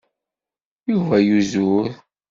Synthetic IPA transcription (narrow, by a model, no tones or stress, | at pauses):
juvæjuzuɾ